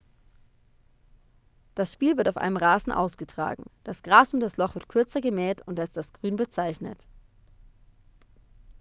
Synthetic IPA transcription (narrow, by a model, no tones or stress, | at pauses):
d̥asʃpiːlvɪɐtaʊfʔa̰ɪnəmʁaːzn̩ʔa̰ʊsɡ̥ətʁ̥a̰ːɡŋ̩d̥asɡ̥ʁaːsʊmdaslɔχv̥ɪɐt̚kʰʏɐt͡sɐɡəmɛːtʊntastalsɡ̥ʁyːnbət͡saɪçnə̰t